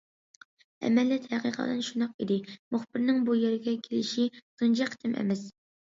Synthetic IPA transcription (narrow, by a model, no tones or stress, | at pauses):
ɛ̰mɛlːɛt̪hæqiqʰə̰d̪ɨnʃunɑqḭd̪ɪmuχbɪɾnɪŋbujeɾɪɡʲɛkʲʰelɪʃisund͡ʒʰɑqʰt̪ʰɪmʔɛ̰mɛs